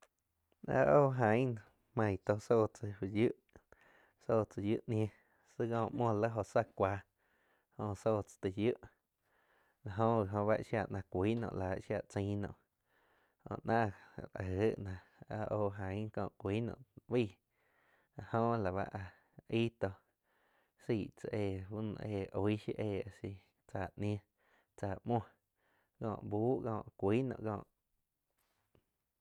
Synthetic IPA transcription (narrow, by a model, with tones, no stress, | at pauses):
a̰˧ʔoː˦˧˨ɦã˨˦˨ | mã˧˨t̪o˧so˦˧˨t͡sə˧i˧ju˦ʔ | so˦˧˨t͡sə˧jṵ˦ʔnj̃ẽ˧ | sɨ˦ɣɔ̃ː˧˨mõ˧˨lə˦ɦo˧˨sa˧kʷaː˧˦ | hõ˧so˦˧˨t͡sḁ˧t̪ə˧ju˦ʔ | la˨ɦõ˧i˨ɦõ˧βa˦ʔʃja˧ʔnã˧kʷiː˦nõ̰˧˨ʔlaː˨ʔʃja˧˨t͡sĩ˧˦nõ̰˧˨ʔ | õ̰˧˨ʔnãː˦˧˨ɾʔə˦ʔnã˧ | a˧ʔoː˧ɦã˨˦kɔ̰̃ː˧˨kʷiː˦nõ̰˧˨ʔbiː˦˨ | a˧˨hõ˧la˨βa̰˦ʔa˧ | i˦t̪o˧ | siː˧˨ʔt͡sa˧ʔeː˧˨ɦu˦n̰˧eː˧˨ʔo˧˨i˦ʃḭ˦ʔeː˧˨a˧si˧ | t͡saː˧˨ñ˧ẽ˧ | t͡saː˧˨mɔ̃˧˨ | kɔ̰̃ː˧˨ʔbuː˦ʔkɔ̰̃ː˧˨ʔkʷiː˦nɔ̰̃˧˨ʔkɔ̰̃ː˧˨ʔ